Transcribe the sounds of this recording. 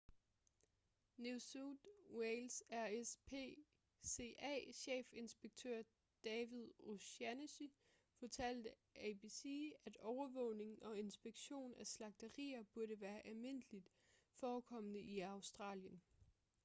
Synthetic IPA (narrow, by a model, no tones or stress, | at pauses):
nusud̥welsæɐespʰḛ | se̝ʔæ̰ɕḛːfe̝nsb̥eɡ̥̚t͡sʰøɐ̰ | d̥ɛːʋið̞ˠoɕænɕi | fɒ̽t͡sʰæl̰d̥ə | ɛbisḭːæd̥ɒʊɐʋɔ̽ʊne̝ŋn̩ʔɒ̽e̝nsb̥e̝ɡ̥ɕo̝̰ːnæslɑ̈ɡ̥̚d̥əʁḭːɐb̥uɐɾəʋæːɐʔælme̝n̰əlid̥ | fɒːkʰɒ̽m̰ənəʔiɑ̈ʊsd̥ʁɑ̰̈ːljən